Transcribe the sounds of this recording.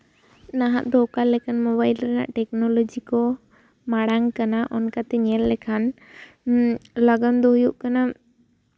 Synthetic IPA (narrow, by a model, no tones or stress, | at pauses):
naɦaʔd̪ɔkalɛkʰanmɔβajlɾɛna̰ʔʈɛknɔlɔd͡ʒikɔ | maɽaŋkanaʔɔnkat̪ɛɲɛlːɛkʰan | ləɡənd̪ɔɦujuʔkana